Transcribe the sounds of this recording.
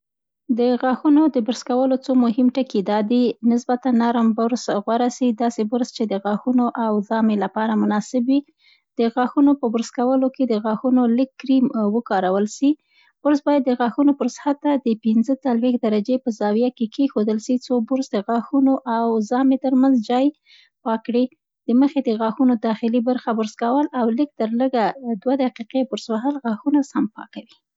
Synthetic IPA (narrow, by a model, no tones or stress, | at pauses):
d̪əɣɑxunod̪əbʊɾskawəlot͡somʊɦɪmʈəkid̪ɑd̪inɪsbat̪anːaɾmbʊɾsɣwaɾasid̪ɑsebʊɾzt͡ʃed̪əɣɑxunoʔawzɑmelapɑɾamʊnɑsɪbwi | d̪̥əɣɑxunopəbʊɾskawəloked̪əɣɑxunolɪkːɾimwəkɑɾawəlʃi | b̥ʊɾzbɑjad̪ːəɣɑxunopəɾshat̪ːad̪əpinzət͡salwexd̪aɾad͡ʒepəzɑwijakekʰexod̪əlʃit͡sobʊɾzd̪əɣɑxunoʔawzɑmet̪əɾmanzd͡ʒɑj | pɑkɽi | d̪̥əməxed̪əɣɑxunod̪ɑxɪlibaɾxabʊɾskawəlawlɪk̚t̪əɾləɡad̪wad̪aqiqebʊɾzwaɦalɣɑxunasampɑ̰kawi